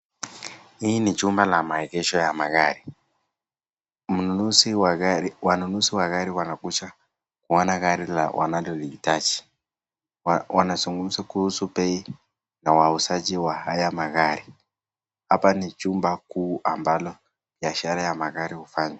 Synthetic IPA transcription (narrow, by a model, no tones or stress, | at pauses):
iːnit͡ʃumbalamaɛɡɛʃɔjamaɣaɾi | m̩nuusiwanunusiwaɣaɾiwanakuʃa | kuɔnaɣaɾila̰wʔa̰nalɔliitad͡ʒi̥ | wanasuŋɡumusakuhusupɛi | nawausad͡ʒiwahajamaɣaɾi | hapanit͡ʃumbakuːʔambalɔ | v̥iaʃaɾajamaɣaɾihufaɲwa